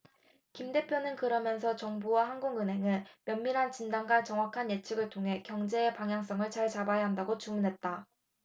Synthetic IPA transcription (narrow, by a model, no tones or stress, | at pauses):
kimde̞pʰjonɯnkɯɾʌmjʌnsʰʌt͡ɕʌŋbuwaɦanɡoŋɯnɦe̞ŋɯmjʌmmːiɾɦant͡ɕindaŋɡant͡ɕʌŋwakʰanjet͡ɕʰɯɡɯɭtʰoŋɦe̞kjʌŋd͡ʑe̞ːpaŋɦjaŋs̬͈ʌŋɯɭt͡ɕaɭt͡ɕabajaɦandaɡot͡ɕumunɦet̚t͈a